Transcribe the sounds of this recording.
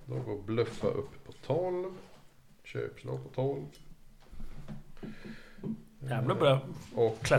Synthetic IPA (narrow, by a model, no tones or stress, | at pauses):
d̪ɔɡoːɾblœfːa̰ʔɵpːpʰːɔ̥t̪ʰɔlv | ɕø̰ːpslɑ̰ːɡpʰɔt̪ʰɔlv | jæblabɾɑɔkʰːla